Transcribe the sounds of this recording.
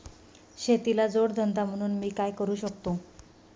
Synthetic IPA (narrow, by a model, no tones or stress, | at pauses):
ɕet̪ilad͡zoɽd̪ʱənd̪am̤əɽ̃uːnmiːkajkəɾuːɕəkt̪o